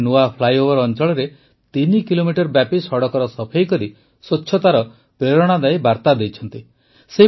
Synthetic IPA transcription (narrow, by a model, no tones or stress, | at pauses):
nuapʰlajobɔɾɔnt͡ʃɔɭɔɾe | t̪inikilomiʈɔɾbjapisɔɽɔkɔɾɔsɔpʰejkɔɾi | sotːʃʰɔt̪aɾɔ | pɾeɾɔɽ̃ad̪ajbaɾt̪ad̪ejt͡ʃʰɔnt̪i | se